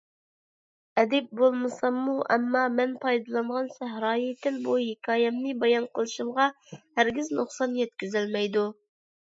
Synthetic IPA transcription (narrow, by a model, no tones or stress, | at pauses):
ɛd̪ɛp̚bolˠmɨsɑmːuʔɛmːɑmɛnpʰɑjd̪ɨlˠɑɴʁɑnsæɦhɾɑːjit̪ʰɪlbuhekʲʰɑːjɛmnɨbɑjɑnqʰəlˠɨʃɨmʁɑ | hæɾɡʲɪznuχsɑnjɛt̪̚kʲyzɪlmɛjd̪u